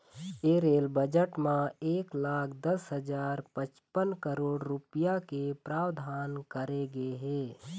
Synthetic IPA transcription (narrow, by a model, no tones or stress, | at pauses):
eːɾeːlbəd͡ʒəʈmãeːklaːkʰd̪əsɦəd͡ʒaːɾpə̃t͡ʃpənkəɾoːɽɾʊpjakepɾaːwd̪ʱaːnkɐɾeɡeɦɛː